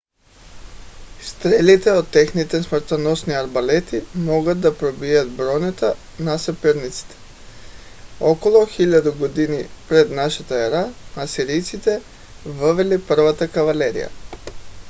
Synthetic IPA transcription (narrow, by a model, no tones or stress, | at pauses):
st̪ɾelit̪ɛot̪ːexnit̪ɛsmɾt̪anosniaɾbalet̪imoɡat̪̚d̪apɾobijat̪bɾonɛt̪a | nasɛpɛɾnit̪si̥t̪ʰɛ̥ | okolˠoxiʎad̪uɡod̪inipɾed̪naʃat̪aɛɾamasiɾijt̪sit̪ɛ | vʋelipr̩ʋat̪akaʋaleɾḭja̰